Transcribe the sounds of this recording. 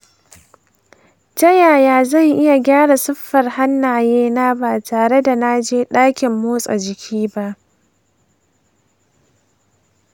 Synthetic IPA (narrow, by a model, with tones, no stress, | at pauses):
d͡ʒɐ˦jaː˨jaː˨zɐ˦˨ŋʔɪ˦ja˨ɡʲaː˦ɽa˨sʊ˦ɸːɐ˨rha˦nːaː˨jeː˦naː˦baː˨tʰaː˨ɽe˦da˨na˦d͡ʒeː˦ɗaː˦kʲɪ˨mːoː˦sʼa̰˨d͡ʒɪ˨kʲʰiː˦ba˦ʔ